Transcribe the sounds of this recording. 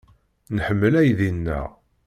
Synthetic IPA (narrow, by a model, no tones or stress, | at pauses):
nħəmːəlæjðinːə̰ʁ